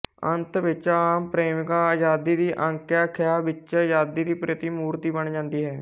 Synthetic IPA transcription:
ənt̪ʋɪt͡ʃaːmpɾeːmɪkaːjaːd̪iːd̪iːʔə̃ŋkjaːkʰɪjaːbɪt͡ʃjaːd̪iːd̪iːpɾɪət̪iːmuːɾt̪iːbəɳd͡ʒãːnd̪iːɦɛː

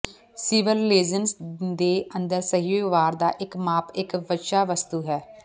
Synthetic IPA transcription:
sɪːʋəlːeːd͡ʒənsd̪eːənd̪əɾsəɦioːʋaːɾd̪aːʔɪkmaːpɪkbətʃaːʋəst̪uːɦɛː

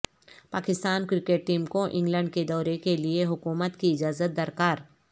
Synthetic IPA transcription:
paːkɪst̪aːnkɾɪkeːʈ̚ːiːmkõʔɪ̃ŋɡlə̃ɳɖ̚ked̪ɔːɾekelieɦʊkuːmət̪kiɪd͡ʒaːzət̪̚d̪ɐɾkaːɾ

